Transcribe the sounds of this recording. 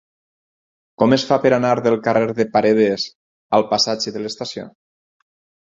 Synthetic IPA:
kɔmesfapeɾanaɾðelˠkareɾðepaɾeðez | alˠpasad͡ʒeðəlest̪asio̰

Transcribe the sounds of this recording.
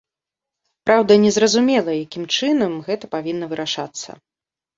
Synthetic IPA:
pɾawd̪ɐnʲɛzɾɐzumʲɛlˠɐjakʲimt͡ʂɨnɐmɣɛt̪ɐpavʲinːɐvɨɾʔaʂat̪sːɐ̰

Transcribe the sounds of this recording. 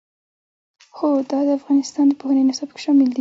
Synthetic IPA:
xod̪ɑd̪əafɣɑnɪst̪ɑnd̪əpohənənɪsɑbke̥ʃɑmɪld̪i

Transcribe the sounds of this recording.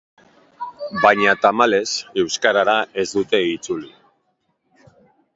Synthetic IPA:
bajɲat̪amale̞se̞wskaɾaɾae̞zd̪ut̪e̞it͡suli

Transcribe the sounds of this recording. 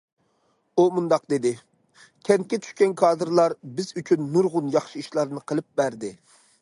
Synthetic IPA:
umund̪ɑq̚d̪ɪd̪ɪ | kʲʰɛnt̪̚kʲɛt͡ʃ̪ʰy̥ʃkʲɛnkʰɑːd̪ɨɾlˠɑɾbɪzyt͡ʃʰynːuɾʁʊnjɑχʃiiʃlˠɑɾnɨqʰəlˠɨp̚bæɾd̪ɪ

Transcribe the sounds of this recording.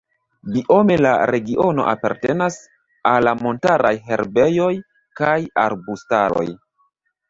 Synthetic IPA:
biʔo̞me̞laɾe̞ɡiʔo̞no̞̰ʔapa̰ɾte̞nas | alːamo̞ntaɾʔajɦe̞ɾbe̞jo̞j | kaja̰ɾbusta̰ɾo̞̰j

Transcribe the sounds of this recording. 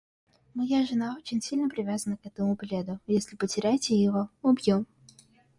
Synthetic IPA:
məjaʐɨnao̞t͡ɕɪnʲsʲilʲnəpɾʲɪvʲazənəkɛt̪əmʊblʲed̪ʊjesʲlʲɪpətʲɪɾʲæjtʲɪjɪvoʊbjom

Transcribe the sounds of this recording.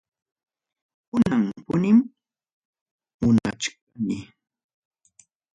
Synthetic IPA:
kʊnaŋpʊnɪm | mʊnat͡ʃk̚anɪ

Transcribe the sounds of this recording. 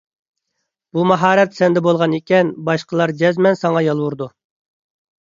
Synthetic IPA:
b̥umɑɦɑːɾɛt̪sɛnd̪ɛbolˠʁɑnekʲɛnbɑʃqʰəlˠɑɾd͡ʒɛzmɛnsɑŋɑjɑlˠwuɾd̪u

